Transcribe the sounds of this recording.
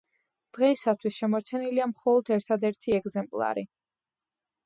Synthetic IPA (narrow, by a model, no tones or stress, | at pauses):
d̪̥ʁɛisat̪ʰwisʃɛmɔɾt͡ʃʰɛniliamχɔlˠɔd̪ɛɾt̪ʰad̪ɛɾt̪ʰiɛɡzɛmpʼlˠa̰ɾi